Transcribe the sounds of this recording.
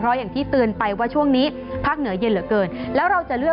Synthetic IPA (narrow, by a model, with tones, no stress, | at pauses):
pʰɾɔ˦˥jaː˨˩ŋt̪ʰiː˥˩t̪ɯː˧npa˧jwaː˥˩t͡ɕʰu˥˩əŋniː˦˥ | pʰaː˥˩k̚nɯ˩˦ɐje˧nlɯ˨˩˦kɤː˧nlɛː˦˥wɾa˧wt͡ɕa˨˩ɾɯ˥˩ə